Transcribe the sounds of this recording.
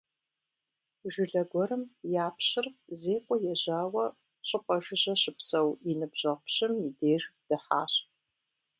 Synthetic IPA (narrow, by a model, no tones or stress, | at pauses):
ʒɪɮɐɡʷɔɾɨmjaːpɕɪrzeːkʷʼɔjɛʑaːwɐ | ɕʼɨqʷʼɐʒɨʑɐɕɪpsɐwinɨbʑ̥ɐʁʊpɕɪmjideːʒd̥ɨħa̰ːɕ